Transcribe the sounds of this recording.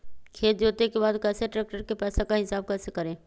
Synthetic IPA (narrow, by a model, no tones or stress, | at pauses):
kʰeːt̪d͡ʒoːt̪ekebaːd̪kɛːseʈɾɛːk̚ʈəɾkepɛːsakaɦɪsaːb̚kɛːsekɐɾẽː